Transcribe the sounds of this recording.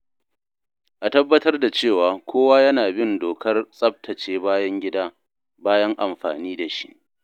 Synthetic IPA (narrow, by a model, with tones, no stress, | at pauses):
ʔa˨tɐ˦bːɐ˦tɐ˦rda˨t͡ʃeː˦˨waː˨kʷʰoː˦waː˦jɐ˦naː˨bɪ˦˨ndoː˨kʰɐ˦rsʼɐ˦p̚tʰɐ˨t͡ʃeː˦baː˦jɐ˦ŋɡʲɪ˦daː˦ | baː˦jɐ˦ŋʔa˨mɸa̰ː˨niː˦da˨ʃi̥˦ʔ